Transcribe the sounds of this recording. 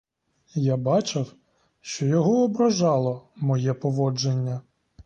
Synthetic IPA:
jabɑt͡ʃɪw | ʃt͡ʃɔjɔɦɔɔbɾɐʒɑlˠɔmɔjɛpɔʋɔd͡ʒenʲːɐ

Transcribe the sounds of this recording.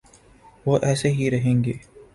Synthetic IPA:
ʋoːʔɛːseɦiɾɐɦẽːŋɡeː

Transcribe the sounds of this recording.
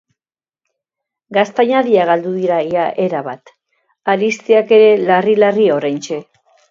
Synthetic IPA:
ɡast̪aɲaðiaɣald̪uðiɾaiaʔe̞ɾaβat̪ | aɾist̪iake̞ɾe̞larilario̞ɾajnt͡ʃe̞

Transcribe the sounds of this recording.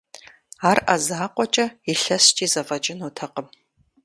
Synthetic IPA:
aːrʔa̰zaːqʷɔt͡ʃʼɐiɬɐstʰʼiːzɐvɐt͡ʃʼɪnuːtʰɐqəm

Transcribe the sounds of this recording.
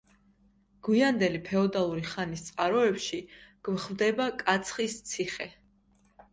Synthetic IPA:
ɡ̥wiand̪ɛlipʰɛɔd̪alˠuɾiχanist̪sʼqʼaɾɔɛpʃiɡ̥vχvd̪ɛbakʼat̪sʰχist̪sʰiχɛ

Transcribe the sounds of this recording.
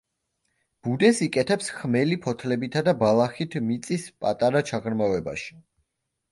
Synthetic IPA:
b̥ud̪ɛsikʼɛt̪ʰɛpsχmɛlipʰɔt̪ʰlɛbit̪ʰad̪abalˠaχit̪ʰmit̪sʼispʼat̪ʼaɾat͡ʃʰaʁɾmavɛba̰ʃi̥

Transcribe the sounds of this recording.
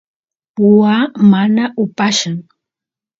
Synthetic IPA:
pʊwamanaʔʊpaʃʊŋ

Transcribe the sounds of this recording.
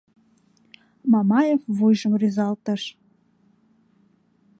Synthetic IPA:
mɑmɑjefvujʒə̆mrizɑlt̪əʃ

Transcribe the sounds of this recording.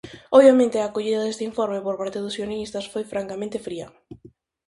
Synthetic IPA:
oβjamẽnt̪ɪaːkoʎiðɐðest̪eiɱfoɾmepoɾpaɾt̪eðʊsjoneist̪ɐsfojfɾaŋkamẽnt̪efɾiɐ

